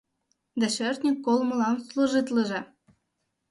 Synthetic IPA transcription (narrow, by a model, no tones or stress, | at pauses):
d̪æʃørt̪ʲnʲikːolˠmə̆lɑnsluʒɨt̪lə̆ʒɤ̆